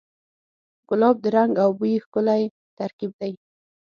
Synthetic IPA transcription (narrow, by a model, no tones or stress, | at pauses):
ɡʊlɑb̚d̪əɾaŋɡawbuixkʊlaj | t̪aɾkib̚d̪aj